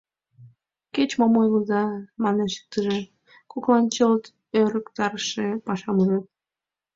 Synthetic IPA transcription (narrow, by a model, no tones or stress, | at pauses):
ket͡ɕmomojləzɑmɑneʃə̥k̚t̪əʒe | koklˠɑnt͡ɕəlt̪ | øɾəkt̪ɑɾʃepɑʃɑmuɾet̪̚